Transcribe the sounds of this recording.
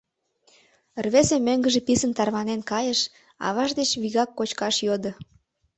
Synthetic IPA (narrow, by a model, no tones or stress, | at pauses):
ərβesemøŋɡə̆ʒĕpisənt̪ɑrβɑnenkɑjəʃ | ɑ̰βɑʒd̪et͡ɕβiɣɑkːot͡ɕkɑʃjod̪ə̆